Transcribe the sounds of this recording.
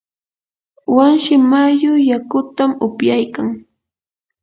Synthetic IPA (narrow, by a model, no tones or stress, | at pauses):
wanʃɪmajʊjakʊt̪amʊpjajkaŋ